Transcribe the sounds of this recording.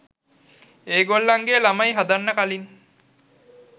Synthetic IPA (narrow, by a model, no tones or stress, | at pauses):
eːɡolːaŋɡeːlamajɦad̪anːəkalin